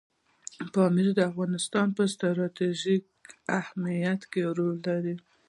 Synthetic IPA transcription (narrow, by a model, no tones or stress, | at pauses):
pɑmiɾd̪əafɣɑnɪst̪ɑnpəst̪ɾaɾɑt̪eʒik̚ahmijat̪keɾolːaɾi